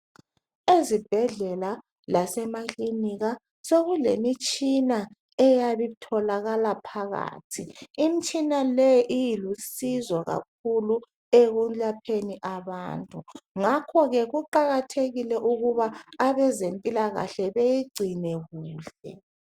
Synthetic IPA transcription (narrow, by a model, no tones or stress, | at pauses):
ezib̥ʱɛɮɛla | lasɛmakʼliniɣa | soɣulemit͡ʃʼina | ɛjaβitʰɔlaɣalapʰaɣa̰ːtʰiimit͡ʃʼinalɛjʔijilusizɔɣa̰k̚ʰulu | eɣud͡ɮapʰeniʔaβa̰ːntʼuŋakʰɔɣɛɣuǃaɣatʰeɣilɛʔuɣuβaːβɛzempʼilaɣa̰ɬɛβejiɡ͡ǀʱinɛɣuːɬɛ̰